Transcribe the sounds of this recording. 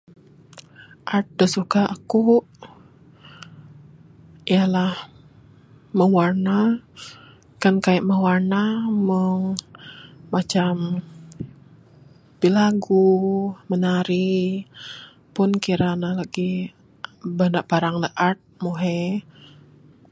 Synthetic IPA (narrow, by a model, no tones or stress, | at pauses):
ʔart̪̚dəsukaaku | ijalah | məwarna | kankajaʔməwarnaməŋː | at͡ʃam | pilaɡumənaɾi | pʊnkiɾanalaɡi | banaʔpaɾaŋləʔart̪̚moɦɛ